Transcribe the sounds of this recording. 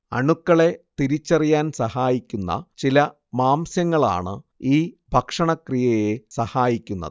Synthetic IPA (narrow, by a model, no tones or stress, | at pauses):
ɐ̰ɳukːɐɭe̞t̪iɾit͡ɕːɐrijaːnsɐhaːjikʲːunːɐ̰t͡ɕilɐ | maːmsjɐŋːɐɭa̰ːɳɨ̰iː | bʱɐkʂɐɳɐkrijɐje̞sɐhaːjikʲːunːɐ̰ðɨ